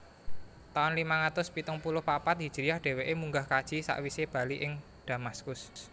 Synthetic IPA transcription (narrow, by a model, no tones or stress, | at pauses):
t̪aʊnlimaŋat̪ʊspit̪ʊŋpulʊhpapat̪̚ɦid̥ʒ̥ɾijahɖ̥e̤weʔemuŋɡahkad̥ʒ̥i̤sa̰ʔwiseb̥a̤liʔɪŋ | d̪̥ä̤maskʊs